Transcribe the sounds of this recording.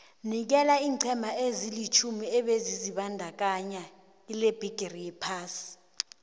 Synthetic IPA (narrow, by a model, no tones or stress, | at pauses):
nik̬ɛlaiːǀʰɛmʱaezilit͡ʃʰumiɛɓeziziɓandʱak̬aɲa | ileb̥ʱiɡ̥ʱerijɛpʰaːsi̥